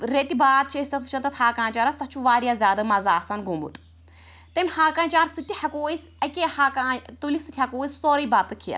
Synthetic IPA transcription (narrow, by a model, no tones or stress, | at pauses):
ɾet̪ibaːt̪̚t͡ʃʰesʲt̪ɐt̪ʰu̥t͡ʃʰɐnt̪ɐt̪haːkaːnt͡ʃaːɾɐst̪ɐt͡ʃʰuʋaːɾjaːzʲaːd̪ɨmɐzaːsanɡumṵt̪ʼ | t̪ɐmʲhaːkaːnt͡ʃaːɾsɨt̪ʲihɐkoːisɐkehaːkaːt̪ulisɨt̪ʰʲhɐkuːjissoːɾijbat̪ɨkʰiɐ̰